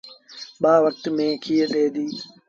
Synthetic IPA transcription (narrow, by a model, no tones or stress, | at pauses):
ɓaːʋək̚t̪mẽːkʰiːɗeːd̪iː